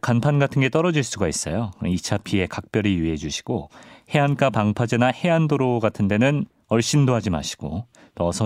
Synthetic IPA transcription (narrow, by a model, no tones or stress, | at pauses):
kanpʰanɡatʰɯnɡe̞t͈ʌɾʌd͡ʑiɭs͈uɡais͈ʌ̰jokit͡ɕʰapʰie̞kak̚p͈jʌɾijuɦe̞d͡ʑuɕʰi̥ɡ̥ohe̞ank͈apaŋpʰad͡ʑenahe̞andoɾoɡatʰɯnde̞nɯn | ʌɭɕ͈indoɦad͡ʑima̰ɕʰi̥ɡ̥o | nʌsʰʌ